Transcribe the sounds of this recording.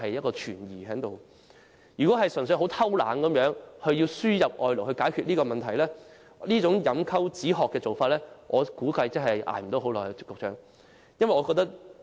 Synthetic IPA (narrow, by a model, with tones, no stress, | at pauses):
ɦɐ˨jɐ˥t̚kɔː˧t͡ʃʰyː˨˩njiː˨˩ɦɛː˨˥ŋt̪o˨w | jyː˨kɔː˨˥ɦɐ˨jsɵ˨˩ns̬ɵ˧ɦo˨˥wt̪ʰɐ˥wla̰ː˨˥ŋkɐ˨˥mjœː˨˥ŋhɵ˧ɥjiː˧wsyː˥jɐ˨p̚ʔɔː˨jlo˨˩whɵ˧ɥkaː˨˥jkʰy˧t̚liː˥kɔː˧mɐ˨nt̪ʰɐ˨˩jlɛː˥ | liː˥t͡sʊ˨˥ŋjɐ˨˥mkʰɐ˥wt͡siː˨˥ɦɔː˨kːɛː˧t͡so˨wfaː˧t̚lɛː˥ʔɔː˨˧kuː˨˥kɐ˧jt͡sɐ˥ŋɦɐ˨jʔa̰ː˨˩jm̩˨˩t̪o˨˥wɦo˨˥wlɔː˨˩jɛ˧˨kːʊ˨˧k̚ʰœː˥ŋ | jɐ˥nwɐ˨jɔː˨˧kɔ˧kt̪ɐ˥k̚